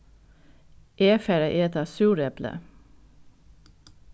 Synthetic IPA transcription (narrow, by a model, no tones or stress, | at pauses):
ʔeːfæɾəʔeːt̪ɑːsʉːɾɛplə̰